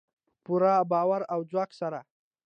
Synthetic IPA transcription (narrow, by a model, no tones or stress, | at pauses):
puɾabɑwaɾawd͡zwɑksaɾa